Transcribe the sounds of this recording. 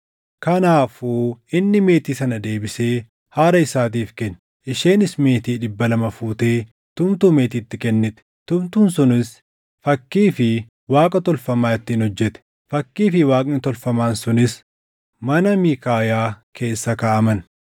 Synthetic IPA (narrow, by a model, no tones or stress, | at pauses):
kɐnaːfuːɪnːɪme̞ːt̪iːsɐnɐd̪e̞ːbɪse̞ː | haːɾɐɪsaːt̪̬iːfkɛnː | ʔɪʃeːnɪsme̞ːt̪iːᶑɪbːɐlɐmɐfuːt̪eː | t̪ʊmt̪uːme̞ːt̪iːt̪ːɪkɛnːɪt̪ɛ̥t̪ʊmt̪uːnsʊnɪs | fɐkːiːfɪ | waːkʼɐt̪ɔlfɐmaːɛt̪ːiːnhɔd͡ʒːɛt̪ɛ̥ | fɐkːiːfɪwaːkʼnɪt̪ɔlfɐmaːnsʊnɪs | mɐnɐmiːkaːjaːkʰe̞ːsːɐkaːʔɐmɐn